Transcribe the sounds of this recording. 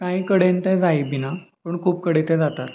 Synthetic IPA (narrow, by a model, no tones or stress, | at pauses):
kãĩkəɽent̪ɛd͡zaibinapəɳkʰuːp̚kəɽet̪ɛd͡zat̪at̪